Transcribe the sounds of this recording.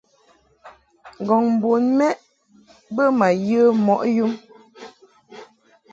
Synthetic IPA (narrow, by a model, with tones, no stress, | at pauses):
ŋ˨ɡɔ˨ŋm̩˨bo˨nmɛ˦ʔ | bə˦ma˨jə˦mɔ˨ʔju˦m